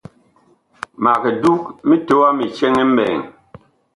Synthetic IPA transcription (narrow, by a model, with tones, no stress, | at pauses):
ma˨ke˨du˦k̚mi˦to˦a˦mi˨t͡ʃɛ˦ŋɛ˦m̩˦bɛ̰ː˨ŋ